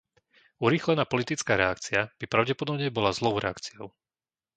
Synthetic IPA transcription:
uɾiːxlɛnaːpɔlit̪it͡skaːɾɛakt͡siab̥ipɾaʊɟɛpɔd̪ɔbɲɛbɔlazlɔʊɾɛ̰a̰kt͡siɔʊ

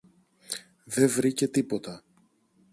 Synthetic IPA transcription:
ðe̞vɾice̞t̪ipo̞t̪ɐ

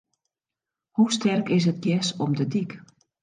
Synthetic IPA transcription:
hustʰɛrkɪs̬ət̚ɡjɛsɔmdədik

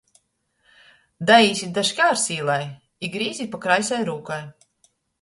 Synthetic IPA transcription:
d̪ajiːsʲid̪aʃkʲaːɾsiːlˠaj | iɡɾiːzʲipakɾajsajɾuːkaj

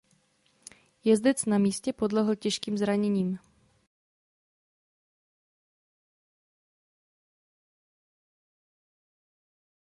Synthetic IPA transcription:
jɛzd̪ɛt͡snamiːscɛpodlɛɦl̩cɛʃkiːmzɾaɲɛɲiːm

